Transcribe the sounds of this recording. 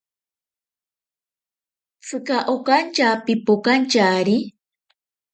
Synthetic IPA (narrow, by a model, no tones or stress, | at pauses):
t͡sʰɨkaʔokant͡ʃaːpipokant͡ʃaɾi